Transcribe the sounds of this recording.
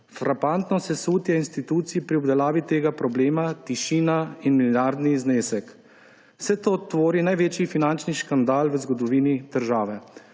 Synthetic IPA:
fɾʔapant̪nɔsɛsuːt̪jɛinst̪it̪uːt̪siipɾiɔbd̪ɛlaːʋit̪eːɡapɾɔbleːmat̪iʃiːnainmiljaːɾd̪nizneːsɛk | wsɛt̪oːt̪ʋoːɾinajʋeːt͡ʃifinant͡ʃniʃkand̪aːlʋəzɡɔd̪ɔʋiːnid̪̥əɾʒaːʋɛ

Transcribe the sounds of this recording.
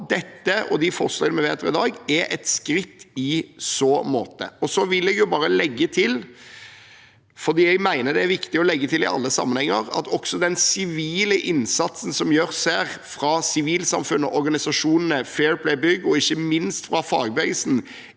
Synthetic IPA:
d̪ɛt̪ːəʔɔ̰d̪ɪfɔʁslɛnəmɛʋḛːt̪əɾɪd̪ɑːɡɛɾɛ̰t̪skɾɪt̪ːɪsɔmo̰ːt̪ə̰ɔsɔʋɪlːɛɡjʊbɑːɾəlɛɡːət̪ʰɪl | fɔɾd̪iːɛɡmæɪnəd̪ɛæɾʋɪkt̪ɪɔlɛɡːət̪ʰɪlɪ̰ʔɑ̰lːəsɑ̰mːənhɛŋːəɾɑ̰t̪ʰɔksɔd̪ɛnsɪʋiːləʔɪnsɑt̪sn̩sɔmjøːɾsæɾfɾɑsɪʋiːlsɑmfʉnːəʔɔɾɡɑnɪsɑʂuːnənəfɛːɹpʰlɛɪbʏɡːɔɪçːəmɪnst̪fɾɑfɑ̰ːɡ̚bæɡsn̩

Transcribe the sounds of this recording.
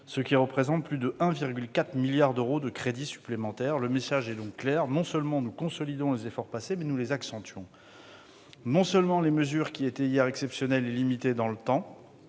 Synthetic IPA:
səkʲiʁəpχezɑ̃t̪̚plyd̪əʔɛ̃viʁɡʲylkat̪χmiljaʁd̪øʁod̪əkχed̪isy̥plemɑ̃t̪ɛʁləmesaʒɛd̪ɔ̃kːlɛʁnɔ̃səlmɑ̃nukɔ̃sɔlid̪ɔ̃lezefɔʁpasemɛnulezaksɑ̃t̪ɥɔ̃ | nɔ̃sœlmɑ̃leməzyʁkʲiet̪ɛijɛʁɛksɛpsjɔnɛlelimit̪ed̪ɑ̃lət̪ɑ̃

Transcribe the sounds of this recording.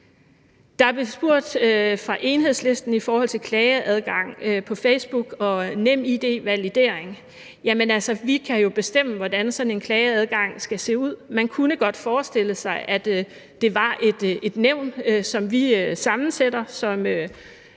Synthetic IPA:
d̥ɑ̈æɐb̥lesb̥uɐ̰d̥øfʁɑ̈ʔe̝nɦe̝ð̰ˠsle̝sd̥n̩ifɒːhɒ̽l̰t͡sʰe̝lkʰlɛːɪəʔæð̞ˠɡ̥ɑ̈ŋ̰øpʰɒ̽feɪsb̥uɡ̥ɒ̽nem̰id̥e̝̰ːʋælid̥e̝̰ɐ̰eŋ | jæmenælsɒʋikʰæjo̝b̥e̝sd̥em̰əʋɒd̥ænsɒ̽ne̝nkʰlɛːɪəæð̞ˠɡ̥ɑ̈ŋ̰sɡ̥æse̝̰ːuð̞̰ˠmænkʰunəɡ̥ɒ̽d̥fɒːsd̥e̝ləsɑ̈ɪʔæd̥ː | e̝ʋɑ̈ʔe̝d̥e̝d̥neʊ̰nsɒ̽mʋiøsɑ̈mn̩sed̥ɐsɒ̽mø

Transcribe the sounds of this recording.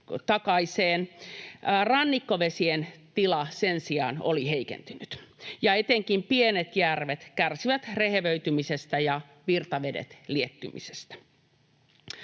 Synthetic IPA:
t̪ɑkɑiseːn | rɑnːikːoʋesient̪ilɑsensiɑ̰no̰liheikḛnt̪ynyt̪jɑet̪eŋkimpienet̪jærʋet̪kærsiʋæt̪reheʋøyt̪ymisest̪æjɑ | ʋirt̪ɑʋedḛt̪liet̪ːymḭse̥st̪æ̥

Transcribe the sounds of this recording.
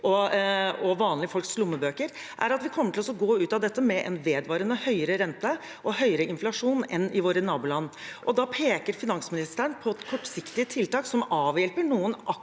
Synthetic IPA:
ʔɔ | ɔʋɑːnlɪfɔlkslʊmːəbøːkəɾ | ʔæ̰ɾɑt̪ʋɪkʰɔmːəʈʰɪlɔsɔɡoːʉːt̪ɑd̪ɛt̪ːəmɛʔɛ̰nʋeːd̪ʋɑːɾənəhœʏəɾəɾɛnt̪ə | ʔɔhœʏəɾəɪnflɑʂuːnɛnːɪʋoːɾənɑːbʊlɑnːʔɔd̪ɑpʰeːkəɾfɪnɑŋsmɪnɪst̪əəɳpʰɔt̪kʰɔʈːsɪkt̪ɪət̪ʰɪlt̪ɑːksɔmɑːʋjɛlpəɳuːənʔɑ

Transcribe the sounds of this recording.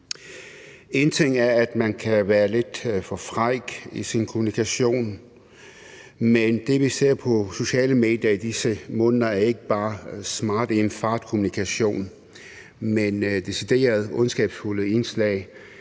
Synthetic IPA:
e̝nt͡sʰe̝ŋ̰æɐæd̥mænkʰæʋæːɐle̝d̥fɒ̽fʁɑɪɡ̥isinkʰo̝munikʰæɕo̝̰ːn | mend̥e̝ʋise̝ɐ̰pʰɒ̽so̝ɕɛ̰ːləme̝̰ːd̥jɐid̥isəmɔ̽ːnðˠɐæɐe̝ɡ̥əb̥ɑ̈ːsmɑ̈ːd̥ienfɑ̈ːd̥kʰo̝munikʰæɕo̝̰ːn | mend̥e̝sid̥e̝̰ːɐð̞ˠɔ̽nsɡ̥ɛ̰ːb̥sfuləe̝nslɛ̰ːɪ

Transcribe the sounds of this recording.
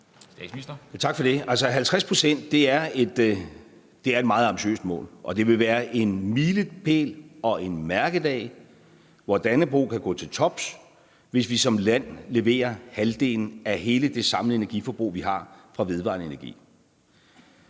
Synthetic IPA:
st͡sʰɑ̈ɡ̥fɒ̽d̥e̝ælsəɦælt͡sʰʁaspʰʁo̝sen̰d̥ːe̝æɐe̝d̥ | d̥e̝æɐed̥̚mɑ̈ːð̩ˠɑ̈mb̥iɕø̰ːsd̥mɔ̰̽ːlʔɒ̽d̥e̝ʋe̝ʋæːɐʔe̝nmiːlə̥pʰe̝̰ːlɒ̽ʔe̝nmæɐɡ̥əðd̥ɛ̰ː | ʋɒd̥ænəb̥ʁo̰ːkʰæɡ̥ɔ̰̽ːt͡sʰe̝lt͡sʰɒ̽b̥s | ʋe̝sʋisɒ̽mlæn̰le̝ʋe̝̰ːɐhæld̥e̝̰ːln̩æɦe̝ːləd̥e̝sɑ̈mləe̝næɐɡ̥ifɒb̥ʁṵːʋiɦɑ̈fʁɑ̈ʋe̝ð̞ˠʋɑ̰̈nəe̝næɐɡ̥ḭː

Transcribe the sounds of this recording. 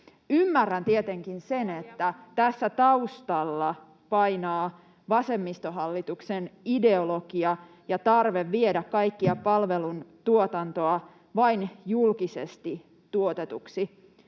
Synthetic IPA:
ymːærːænt̪iet̪eŋkinsenet̪ːæt̪æsːæt̪ɑust̪ɑlːɑ | pɑinɑː | ʋɑse̞mːist̪oɦɑlːit̪uksenide̞oloɡiɑ | jɑt̪ɑrʋeʋːiedækkɑikːiɑpɑlʋelunt̪uot̪ɑnt̪oɑ | ʋɑinjulkisḛst̪i | t̪uot̪et̪uksi

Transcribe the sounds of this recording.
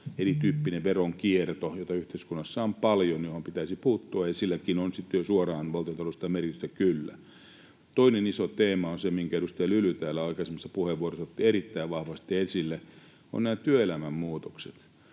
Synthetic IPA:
erit̪yːpːineʋʋeroŋkiert̪ojot̪ɑyht̪eiskunːɑsːɑompɑljonjohompit̪æsipuːt̪ːoɑjɑsilːækinonsit̪ːjosuorɑːnʋɑlt̪iont̪ɑlost̪ɑmerkit̪yst̪ækylːæ̰ | t̪oinenisot̪eːmɑonsemiŋkæedust̪elylyt̪æːlːæɑikɑsemːɑsːɑ̥puheʋʋuorosɑt̪ːieɾit̪ːæiʋʋɑhʋɑst̪iɑesilːe | o̰nnæːt̪yøelæmæmmuːt̪okset̪

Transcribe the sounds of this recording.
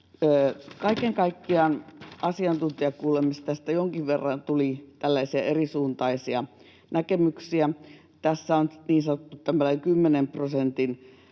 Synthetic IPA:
øːkɑikeŋkɑikːiɑˑnɑsiɑnt̪unt̪iɑkkuːlemist̪t̪æst̪æjoŋkiʋʋerːɑnt̪ulit̪ælːæisiæerisuːnt̪ɑisiɑ | nækemyksiæ | t̪æsːæonniːnsɑnot̪ːut̪ːæmælæiŋkymːenemprosent̪in

